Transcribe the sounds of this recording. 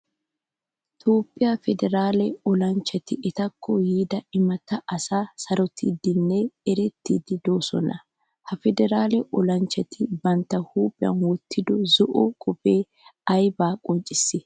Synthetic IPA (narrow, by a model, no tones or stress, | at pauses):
t̪ʰoːpʼːɪjɐfɛd̪ɛɾaːlɛɔlɐnt͡ʃːɐt̪ɪʔɛt̪ɐkʰːɔjiːd̪ɐɪmɐt̪ːɐʔɐsaːsɐɾɔt̪ʰɪd̪ɪnːeɛɾɛt̪ːḭːd̪ɪd̪oːsɔ̰nɐ | hɐfɛd̪ɛɾaːlɛʔɔlɐnt͡ʃːɐt̪ʰɪbɐnt̪ːɐhuːpʼɪɐ̰nwɔt̪ʰːɪd̪ɔzɔʔɔkʼɔpʼeː | ɐjbaːkʼɔnt͡ʃʼɪsːɪ